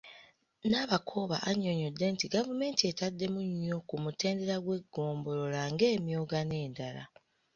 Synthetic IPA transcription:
naβakʰo̞ːβa̰ʔaɲo̞ɲo̞dːe̞ntiɡavume̞ːntie̞tadːe̞muɲːo̞kumute̞ːndeɾaɡwe̞ɡːo̞ːmbo̞lo̞laŋɡe̞ːmjo̞ːɡane̞ːndala̰

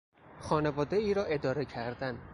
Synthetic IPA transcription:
xɒːnevɒːd̪e̞iːɾɒːʔe̞d̪ɒːɾe̞cʰæɾd̪æn

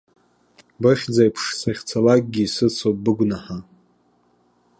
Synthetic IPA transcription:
bɨχʲd͡zajpʰʂsaχʲt͡sʰalak̚ʼɡʲisɨt͡sʰop̚bɨɡʷnaħa

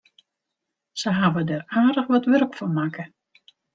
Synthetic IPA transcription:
səɦaʋədəraːdəχʋɔtʋɵrkfɔnmaːkə

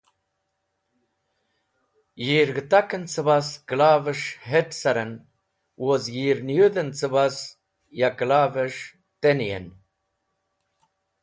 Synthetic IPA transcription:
jiːɾɡət̪akənt͡səβaskəlaːvəʂɦeʈsaɾən | wozjiːɾnjud̪ənt͡səbas | jaklaːvəʂ | t̪enijḛn

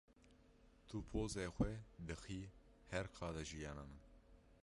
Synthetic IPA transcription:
t̪ʰupʰoːzeːxʷwɛd̪ɨxiː | hɛɾqʰɑːd̪ɐʒijɑːnaːnɨn

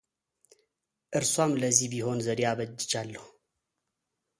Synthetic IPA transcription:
ʔɨɾswamləzːihbiho̞nzəɾjaβəd͡ʒːɪt͡ʃalːəhu

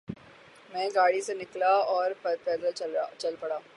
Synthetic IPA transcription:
mɛ̃ːɡaːɽisenɪklaɔːɾppɛːd̪əlt͡ʃɐlpɐɽaː

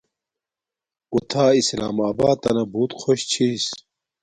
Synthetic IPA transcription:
ut̪ʰaːisla̰ːmaːba̰ːt̪ːɐnɐbuːt̪xʰoɕt͡ɕʰis

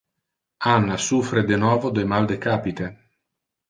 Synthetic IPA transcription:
anːasufɾed̪enɔːvod̪emald̪ekaːpit̪e

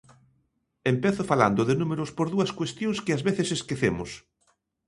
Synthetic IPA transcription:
empeθʊfala̰nd̪ʊðɪnumeɾʊspoɾðuɐskwest̪jõŋskɪazβeθeseskeθemʊs

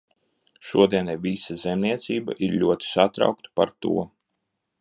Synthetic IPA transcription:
ʃuɔd̪iɛnɛvʲisazɛmnʲiɛt̪siːba̰ʔiɾʎʲuɔt̪i̥sat̪ɾa̰wkt̪ḁpaɾt̪ṵɔ

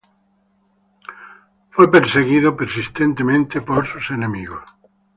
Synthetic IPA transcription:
fwepeɾseɣiðopeɾsist̪ent̪emẽnt̪epoɾsusenemiɣos

